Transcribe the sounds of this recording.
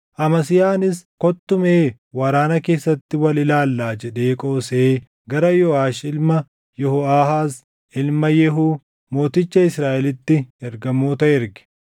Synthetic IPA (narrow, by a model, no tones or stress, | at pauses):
ʔɐmɐsɪjaːnɪskɔt̪ːʊme̞ː | wɐɾaːnɐke̞ːsːɐt̪ːɪwɐlɪlaːlːaːd͡ʒɛᶑe̞ːkʼoːseː | ɡɐɾɐjɔaːʃɪlmɐ | jɛhɔaːhaːs | ʔɪlmɐjɛɦuː | mo̞ːt̪ɪt͡ʃːɐɪsɾaːʔɛlɪt̪ːɪɛɾɡɐmːo̞ːt̪ɐɛɾɡɛ̥